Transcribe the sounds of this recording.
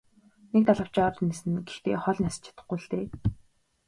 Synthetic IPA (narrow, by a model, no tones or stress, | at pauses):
nek̚t̪aɮə̆w̥t͡ɕɔɾnːesɘ̆nɡext̪ḛːχɔɮʲnast͡ɕʰḁt̪ə̆χɡuːɮt̪eː